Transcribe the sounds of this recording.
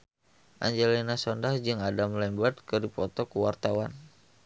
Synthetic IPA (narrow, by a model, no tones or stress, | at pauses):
ʔa̰ɲd͡ʒelinasɔndahd͡ʒɨŋadamlɛmbət̪̚kɨdipɔt̪ɔkuwart̪awan